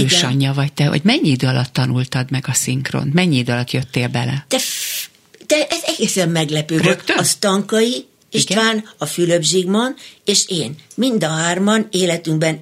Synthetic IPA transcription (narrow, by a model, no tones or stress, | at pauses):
øːɡʃɒɲːɒvɒct̪ɛho̰ɟmɛɲːiid̪øːɒlɒt̪ːɒnult̪ɒd̪mɛɡɒsiŋkro̰ːnt̪mɛɲːiid̪øɒlɒt̪jøt̪ːeːlbɛlɛ̰t̪ɛ | t̪ɛʔɛzɛɡeːsɛmːɛɡlɛpøːd̪øk̪ɒst̪ɒŋkɒji | eʃtɡ̪ʋaːnɒfyløbʒiːɡmɒneːʃeːnmind̪ɒɦaːrmɒneːlɛt̪yŋɡbɛn